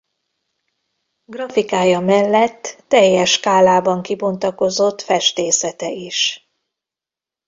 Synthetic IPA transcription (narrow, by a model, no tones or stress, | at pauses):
ɡrɒfikaːjɒmɛlːɛt̪ːɛjːɛʃkaːlaːbɒŋkibo̞nt̪ɒko̞zo̞t̪fɛʃt̪eːsɛt̪ɛiʃ